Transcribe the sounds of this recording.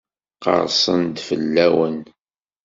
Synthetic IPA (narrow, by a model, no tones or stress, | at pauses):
qə̰ɾˤsˤənd̪fəlːæwən